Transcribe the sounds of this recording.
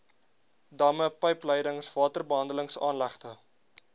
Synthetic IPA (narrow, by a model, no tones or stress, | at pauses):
dɐməpəjpləjdəŋsvɑːtərbəɦɐndələŋsɑːnlæχtə